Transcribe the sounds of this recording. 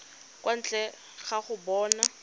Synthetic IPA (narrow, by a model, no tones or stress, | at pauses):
kwʔan̩t͡ɬʼɛ | ɣaχʊbɔːna